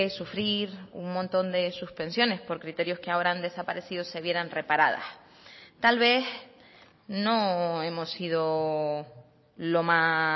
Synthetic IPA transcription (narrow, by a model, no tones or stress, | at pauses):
esufɾiɾuŋmõnt̪o̞nd̪e̞suspe̞nsjo̞ne̞spo̞ɾkɾit̪e̞ɾjo̞skeaoɾaand̪e̞sapaɾe̞siðose̞βje̞ɾanre̞paɾað̞a̰s | t̪alβe̞s | no̞e̞mo̞sːið̞o̞ | lo̞ma